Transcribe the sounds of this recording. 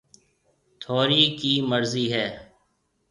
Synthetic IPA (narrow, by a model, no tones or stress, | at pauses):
t̪ʰoːɾiːkiːməɾziːɦɛː